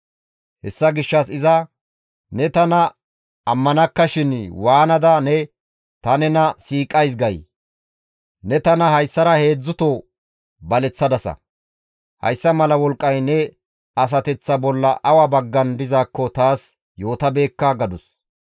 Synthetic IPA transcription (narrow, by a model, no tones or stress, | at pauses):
hɛ̰sːɐɡɪʃːɐsɪzɐ | nɛt̪ɐnɐː | mːɐnɐkːɐʃɪnwaːnɐd̪ɐnɛ | t̪ɐnɛnɐsiːkʼɐjs̬ɡɐj | nɛt̪ɐnɐhɐjsːɐɾɐhe̞ːd͡zːʊt̪oː | bɐlɛt͡sːɐd̪ɐsɐ̰ | hɐ̰jsːɐmɐlɐwɔlkʼːɐjnɛ | ɐs̬ɐt̪ɛt͡sːɐbɔlːɐʔɐwɐbɐɡːɐnd̪ɪzaːkːɔt̪aːs | jo̞ːt̪ɐbe̞ːkːɐɡɐd̪ʊs